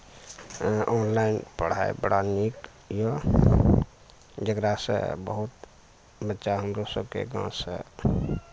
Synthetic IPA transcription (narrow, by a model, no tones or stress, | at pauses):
ɔːnlaɪnpəɽ̤a̰ḛbəɽanik | jə | d͡ʒəɡɾasə̰̃bə̰ɦut̪ | bətːʃaɦəmɾosəb̚kḛɡã̰sə̰̃